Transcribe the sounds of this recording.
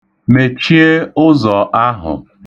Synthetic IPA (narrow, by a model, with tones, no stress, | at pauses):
me˨t͡ʃi˦e˦ʊ˦zɔ˨ʔa˦ɦʊ̰˨